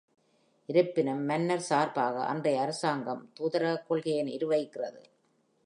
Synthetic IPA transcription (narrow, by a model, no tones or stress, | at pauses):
ʔɪɾɯpːɪnɐmːɐnːɐɾsaːɾpaːɣɐ̰ʔɐ̰ndrɐjɐɐɾɯsaːŋɡɐmt̪uːðɐɾɐɐkːɔɭɣɐjɪnɪ̰ɾɯʋɐɪkːɪrɐðɯ̰